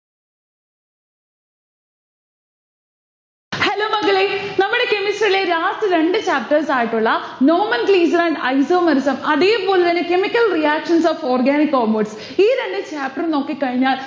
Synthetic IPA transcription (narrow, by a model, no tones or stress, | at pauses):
heloːmɐɣɐɭenɐmːuɽe̞ke̞misʈɐɾile̞ɾaːsɨɾe̞ɳɖɨt͡ɕaːp̚ʈɐrsaːjiʈːuɭːɐnoːmɐnkliːs̬ɐɾɐɳɖɐjsoːmɐɾusɐmɐðeːpo̞ːlet̪ɐnːekemikʲːɐlrijaːkʂɐnsaːfoːrɡaːnikːoːmɐʈs | iːɾe̞ɳɖɨt͡ɕaːp̚ʈɐrno̞ːkːikːɐɻiɲːaːl